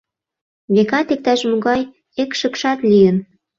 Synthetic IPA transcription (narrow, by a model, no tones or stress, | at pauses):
βekɑt̪ek̚t̪æʃmuɣɑj | ekʃəkʃɑt̪lijən